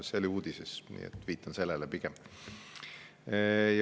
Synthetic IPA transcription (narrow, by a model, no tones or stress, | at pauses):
seolʲiuːd̪̥isesnḭːḛt̪ːˑviːt̪ːˑɑnse̞lːɛlɛpiɡ̥ɛm | j